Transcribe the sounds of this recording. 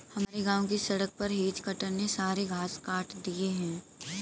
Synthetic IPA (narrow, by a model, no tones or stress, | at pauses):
hɐmaːɾeɡãːõk̬isɐɽək̚pɐɾɦeːd͡ʒkɐʈəɾnesaːɾeɡʱaːskaːʈd̪ieɦɛ̃ː